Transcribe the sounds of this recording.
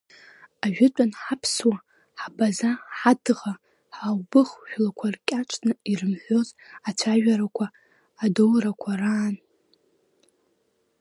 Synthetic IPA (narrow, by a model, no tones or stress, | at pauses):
aʒᶣɪtʷʼanħapʰswa | ħabazaħadʁa | ħawbɨχʒʷᶣlakʷʰarkʲʼaʈ͡ʂʰʼnɨirɨmħʷozat͡ɕʷʰaʒᶣaɾakʷʰaː | dolrakʷʰaraːn